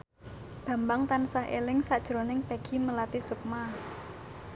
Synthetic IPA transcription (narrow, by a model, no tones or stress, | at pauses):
b̥a̤mbaŋt̪ansahḛlɪŋsad̥ʒ̥ɾonɪŋpeɡ̥i̤məlat̪isuk̚ma